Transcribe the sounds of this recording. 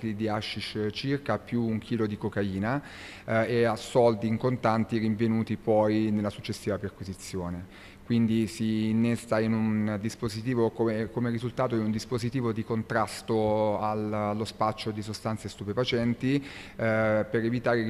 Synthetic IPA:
klid̪iaʃːiʃt͡ʃirkapjuːŋkʰiːlod̪ikokaiːna | easɔld̪iːŋkont̪ant̪iɾiɱvenuːt̪ipɔjnelːasut͡ʃːesːiːvaperkwizit̪sːjoːne | kwind̪isiːnːesːainund̪ispozit̪iːvokomekomeɾizult̪aːt̪oinund̪ispozit̪iːvod̪ikont̪ɾast̪oalalːospat͡ʃːod̪isost̪ant̪sest̪upefat͡ʃɛnt̪i | peɾevit̪aːɾe

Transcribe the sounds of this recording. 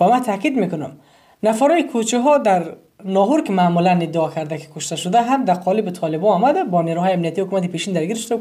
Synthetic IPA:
vamat̪ʰakid̪mekunam | nafaɾɔikʰut͡ʃʰiɦɔd̪aɾ | nɔɦuɾkimaːmulanid̪ːaɔkʰaɾd̪aki̥kʰuʃt̪aʃud̪aɦand̪aqʰɔlibit̪ʰɔlibɔɔmad̪abɔneɾuɦɔjamnijat̪ihukumat̪ipeʃind̪aɾɡiɾʃud̪a

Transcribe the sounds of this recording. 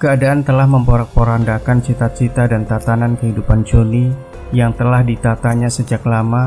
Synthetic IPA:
kəadaʔant̪əlahməmpəɾak̚pəɾandakant͡ʃit̪at͡ʃit̪adant̪at̪anankəɦidupand͡ʒoni | jaŋt̪əlahdit̪at̪aɲasəd͡ʒaklama

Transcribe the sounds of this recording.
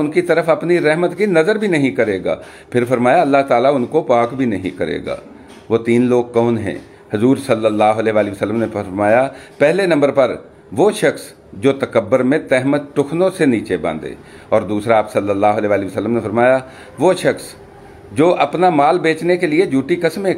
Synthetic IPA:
ʊnkit̪ɐɾəfɐpniɾɛɦmət̪kinɐzəɾbʱinɐɦĩkɐɾeːɡa̰ː | pʰɪɾfɐɾmaːjaɐlːaɦt̪aːlaʊnkopaːkbʱinɐɦĩkɐɾḛːɡa̰ː | ʋot̪iːnloːɡ̚kɔːnɦɛ̰̃ː | hʊzuːɾsɐlːəlːaːɦʊɐlɛːʋaːliʋəsəlːəmnefəɾmaːjapɛɦlenɐ̃mbəɾpɐɾ | ʋoːʃɐxs | d͡ʒoːt̪ɐkəbːʊɾmẽt̪ɛɦmət̪̚ʈʊkʰnõseniːt͡ʃebã̰ːnd̪ḛː | ɔːɾd̪uːsɾaːpsɐlːəlːaːɦʊəlɛːʋaːliʋəsəlːəmnefʰɐɾmaːja | ʋoʃɐxs | d͡ʒoːʔɐpnamaːlbeːt͡ʃnekelied͡ʒuːʈikɐsme

